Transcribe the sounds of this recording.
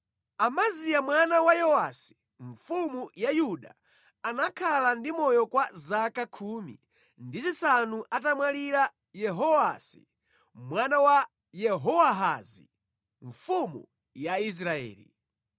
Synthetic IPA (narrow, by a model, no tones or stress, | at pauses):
amazijamwanawajɔwasi̥ | ɱfumujajuɗa | anakʰalandimɔjɔkwazakakʰuːmḭ | ndizisanuʔatamwaliɾa | jɛɦɔasḭ | mwanawa | jɛɦɔwaɦazḭ | ɱfumṵ | jais̬ɾaɛ̰ːlḭ